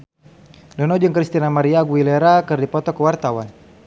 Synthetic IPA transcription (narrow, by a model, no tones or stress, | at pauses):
dɔnɔd͡ʒəŋkɾist̪inamaɾiaɡuilɛɾakɨrdipɔt̪ɔkəwart̪awan